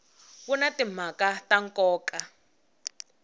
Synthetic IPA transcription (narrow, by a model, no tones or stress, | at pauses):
βunatim̤akataŋkʼɔːkʼa